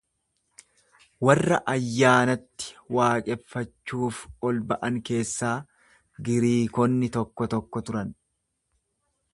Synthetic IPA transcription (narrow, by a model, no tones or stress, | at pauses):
wɐrːɐ̰ʔɐjːaːnɐt̪ːɪ̥waːkʼɛfːɐt͡ʃːuːfɔlbɐʔɐŋke̞ːsːaː | ɡɪɾiːkɔnːɪt̪ɔkːɔt̪ɔkːɔt̪ʊɾɐn